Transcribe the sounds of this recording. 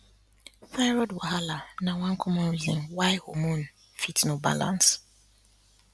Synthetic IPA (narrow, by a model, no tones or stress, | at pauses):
saɪɾɔdwɔɦalanãwãŋkʰɔmɔ̃ɾizĩnwaɪhomũn | fitnõba̰lã̰ns